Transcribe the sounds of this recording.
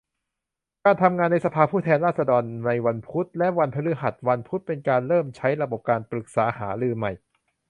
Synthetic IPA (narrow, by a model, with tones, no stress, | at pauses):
kaː˧nt̪ʰa˧mŋaː˧nːa˧jsa˧pʰaː˧pʰuː˥˩t̪ʰɛː˧nɾaː˥˩t̪̚sa˧dɔː˧nːa˧jwa˧npʰu˦˥t̪̚lɛ˦˥ʔwa˧npʰa˧lɯː˦˥ɦa˨˩t̪̚wa˧npʰu˦˥t̪̚pe˧nkaː˧nɾɤː˥˩mt͡ɕʰa˦˥jɾa˧bo˨˩p̚kaː˧npɾɯ˨˩k̚saː˩˦haː˩˦ɾɯː˧ma˨˩j